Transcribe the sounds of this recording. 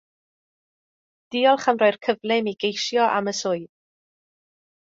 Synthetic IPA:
d̥iːɔlˠχamrɔjrkʰəvlɪmiɡejʃjɔʔa̰məsʊɨð

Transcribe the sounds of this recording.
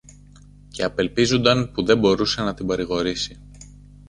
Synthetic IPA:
ce̞ɐpe̞lpizond̪ɐnpuðe̞mbo̞ɾuse̞nɐt̪imbɐɾiɣo̞ɾisi

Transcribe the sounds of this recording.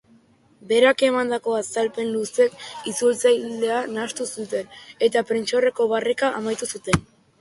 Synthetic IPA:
be̞ɾake̞mand̪ako̞asalpe̞nluse̞kit͡sult͡sajle̞anast̪usut̪e̞ne̞t̪apɾent͡ʃo̞re̞ko̞βarekaʔamajt̪usut̪e̞n

